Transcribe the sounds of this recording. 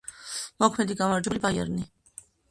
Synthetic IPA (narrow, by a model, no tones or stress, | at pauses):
mɔkʰmɛd̪iɡanaɾd͡ʒɛlibajɛ̰ɾni